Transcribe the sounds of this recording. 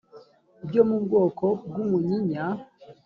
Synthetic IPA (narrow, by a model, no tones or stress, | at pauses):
ibɟomuːbɡoːkʰob̚ɡumuɲiɲa